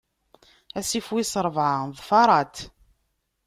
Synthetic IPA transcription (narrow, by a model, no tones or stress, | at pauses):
æsifwisəɾˤəvʕaðˤfɑɾˤɑt̪